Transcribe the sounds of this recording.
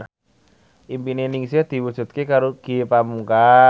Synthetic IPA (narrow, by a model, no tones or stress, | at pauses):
ʔimpineniŋsiad̪̥i̤wud̥ʒ̥ṳt̪̚kekaɾoɡ̥iepamuŋka